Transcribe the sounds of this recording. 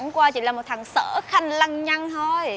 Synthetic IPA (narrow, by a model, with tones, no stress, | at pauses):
ŋkwaː˧t͡ɕḭ˧˥laː˨˩mo˨˩t̚t̪ʰa˨˩ŋsəː˧˥˦xa˧jŋ̟la˧ŋɲa˧ŋt̪ʰo˧j